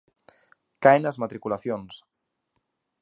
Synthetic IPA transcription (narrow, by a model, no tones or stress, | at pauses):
kajnɐzmat̪ɾikulaθjons